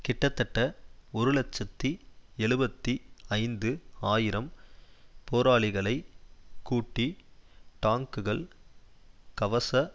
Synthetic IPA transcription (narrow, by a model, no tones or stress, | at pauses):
kɪʈːɐt̪ːɐʈːɐɔɾɯlɐt͡ʃːɐt̪ːiɛɭɯbɐt̪ːiɐɪnd̪ɯaːjɪɾɐm | poːɾaːɭɪɣɐɭɐɪkːuːʈːiʈaːŋkɯɣɐɭ | kɐʋɐsɐ